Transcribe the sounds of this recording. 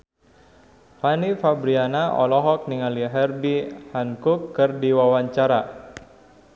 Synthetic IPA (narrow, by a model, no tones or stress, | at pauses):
fanifabɾianaʔɔ̰lɔɦɔk̚niŋaliɦɛrbihankukːɨrdiwawaɲt͡ʃaɾa